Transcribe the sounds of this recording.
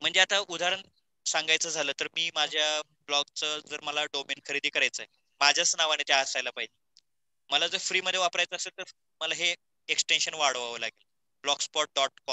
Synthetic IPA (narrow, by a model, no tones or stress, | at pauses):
m̤əɳd͡zeat̪aʔud̪ʱaɾəɳ | saŋɡʱajt͡səːd͡zʱaləːt̪əɾmiːmad͡ʑʱja | blɔɡ̚t͡səd͡zəːɾməlaɖomenkʰəɾid̪ʱikəɾajt͡səe | mad͡ʑʱjasnaʋañet̪jaɦəsajlapaɦid͡ʑe | məlad͡zəɾfɾiːməd̪ʱjeʋapɾajt͡səːselt̪əɾ | məlaɦe | eksʈenɕənʋaɽ̤ʋaʋəlaɡel | blɔɡspɔʈ̚ɖɔʈ̚kɔm